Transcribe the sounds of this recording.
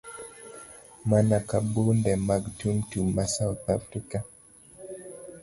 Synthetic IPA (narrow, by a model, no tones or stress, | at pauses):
manakabundɛmaɡtumtumasauθafɾika